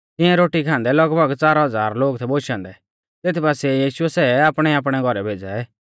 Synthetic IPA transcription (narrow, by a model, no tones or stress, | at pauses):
t̪ɪ̃ɛ̃ɾoːʈikʰãːnd̪ɛlɐɡbʱɐɡt͡saːɾɦɐd͡zaːɾloːɡt̪ʰɛboːʃãːnd̪ɛ | t̪eːt̪ʰipaːsɛjiːʃʊɛsɛːaːpɽ̃ɛaːp̬ɽ̃ɛɡʱɔɾɛbʱeːd͡zaɛː